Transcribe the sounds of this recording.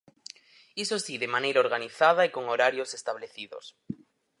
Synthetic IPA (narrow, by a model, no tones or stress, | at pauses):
isosiðemãnejɾaoɾɣ̞aniθað̞aekoŋoɾaɾjosest̪aβleθiðo̰s